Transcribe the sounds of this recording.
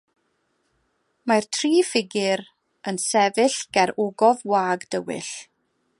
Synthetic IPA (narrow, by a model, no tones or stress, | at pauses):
martʰriːfɪɡɪɾ | ənsɛvɨɬɡ̥ɛɾʊɡɔvwaːɡd̥əwɪ̰ɬ